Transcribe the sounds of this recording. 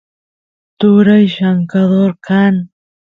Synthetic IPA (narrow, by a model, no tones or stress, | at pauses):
t̪uɾəjʃaŋkaðoɾkʰan